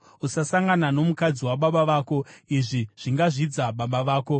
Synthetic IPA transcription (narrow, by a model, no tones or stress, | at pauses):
usasaŋɡanano̞mukad͡ziwaɓaɓaʋaːko̞iʐiʐ̥iŋɡaʐid͡zaɓaɓaʋaːko̞